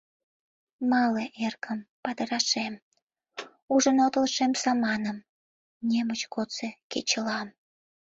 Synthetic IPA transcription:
mɑleʔerkʰəmpɑd̪ə̆ɾɑʃem | uʒənot̪əlʃemsɑmɑnəm | nʲemət͡ɕkot͡sekḛt͡ɕəlɑm

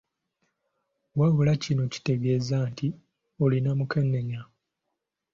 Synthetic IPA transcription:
waβulacinoci̥te̞ɡe̞ːzanti | olinamukenːeɲa

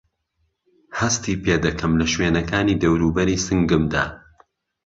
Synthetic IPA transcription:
hɐst̪iːpeːd̪ɐkʰɐmlɐʃweːnɐkaːniːd̪ɐwɾuːbɐɾiːsɨŋɡɨmd̪a̰ː

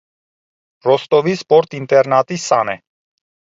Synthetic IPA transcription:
rɔst̪ɔvispɔɾt̪int̪ɛɾnɑt̪isɑnɛ

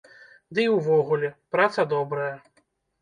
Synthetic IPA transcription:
d̪ɨiwvɔɣulʲɛpɾat̪sɐd̪ɔbɾɐjɐ

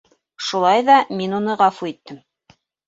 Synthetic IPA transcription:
ʃulˠɑjðɑminunɤʁɑfuit̪ːɘm

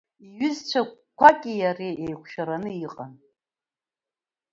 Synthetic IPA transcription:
iɥʏzt͡ɕʷʰa | kʷʰakʲʼɪjareʔejχʷʃaɾanɨiqʼa̰n

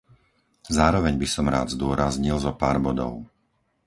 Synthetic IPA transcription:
zaːɾɔʋɛɲbisɔmɾa̰ːd̪zd̪ʊɔɾazɲilzɔpaːɾbɔd̪ɔ̰ʊ

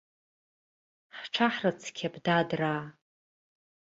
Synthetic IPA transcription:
ħʈ͡ʂʰaħrat͡sʰkʲʰabdadraː

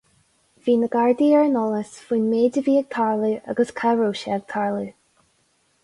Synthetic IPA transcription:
viːnəɡaɹd̪iɛɹənɔləsfiːnmeːdəviːɛɡ̚t̪ʰaɹlia̰ɡəskʰaɹoːʃɛɛɡ̥̚t̪ʰaɹlə

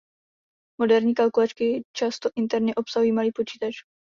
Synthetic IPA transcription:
mo̞dɛɾɲiːkalkulat͡ʃkɪt͡ʃast̪oʔɪnt̪ɛɾɲɛʔo̞psaɦujiːmaliːpo̞t͡ʃiːt̪at͡ʃ

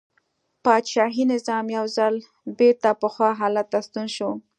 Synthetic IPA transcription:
pɑd̪ʃɑɦinɪzɑmjawzal | beɾt̪apəxwɑɦɑlat̪ːast̪unʃo

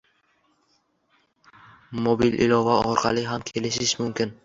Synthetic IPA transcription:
mobilʔɪ̰lɒvaɒɾqʰɑlˠɪɦamkʲʰe̞lɪʃɪʃmʊmkʲɪn

